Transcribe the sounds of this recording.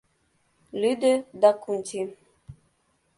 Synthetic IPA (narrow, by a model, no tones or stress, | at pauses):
lid̪ed̪akuntʰi